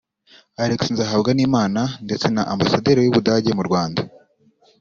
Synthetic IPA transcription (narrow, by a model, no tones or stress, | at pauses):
aɾeksnzaɦabɡaniːmaːnande̞t͡se̞naʔambasadeɾejuβudaːɟe̞muɾɡwaːnda